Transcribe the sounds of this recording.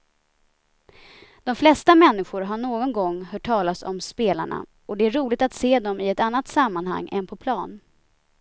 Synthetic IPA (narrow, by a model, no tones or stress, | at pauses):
d̪̥ɔmflɛst̪amɛnːɪɧʊɾɦaɳoːɡɔnɡɔŋːhœːʈʰːɑːlasɔ̰mspeːla̰ɳa̰ | ɔd̪ɛæɾuːlɪɡ̚t̪at̪seːd̪ɔmɪɛt̪anːat̪samːanha̰ŋːʔɛ̰npʰɔpʰlɑːn